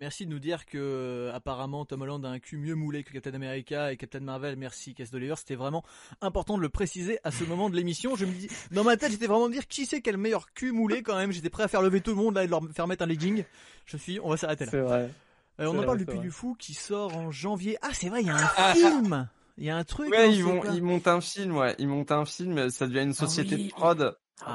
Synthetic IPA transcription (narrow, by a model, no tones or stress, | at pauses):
mɛʁsid̪ənud̪iʁkəapaʁamɑ̃t̪ɔmɔlɑ̃d̪aɛ̃kʲymjømulekə̥kap̚t̪ɛnameʁikʲaekap̚t̪ɛnmaʁvɛlmɛʁsikʲasd̪olivœʁse̥t̪ɛvʁɛmɑ̃ | ɛ̃pɔʁt̪ɑ̃d̪ələpχesizeʔasəmɔmɑ̃d̪əlemisjɔ̃ʒəməd̪id̪ɑ̃mat̪ɛt̪ʒet̪ɛvʁɛmɑ̃d̪əd̪iʁkʲʰisɛkʲɛlmejœʁkʲymulekɑ̃mɛmʒet̪ɛpχɛafɛʁləvet̪uləmɔ̃d̪laed̪əlœʁfɛʁəmɛt̪χɛ̃liɡʲiŋʒ̥əsɥiɔ̰̃vasaʁet̪elaʁɛ | øɔ̃nɑ̃paʁld̪əpɥid̪yfukʲʰisɔʁɑ̃ʒɑ̃vjeʔasɛvʁɛjaɛ̃film | jaɛ̃t̪χykwɛivɔ̃ilmɔ̃t̪ɛ̃filmwɛ̰ʔilmɔ̃t̪ɛ̃filmsad̪əvjɛ̃ynsɔsjet̪epχɔd̪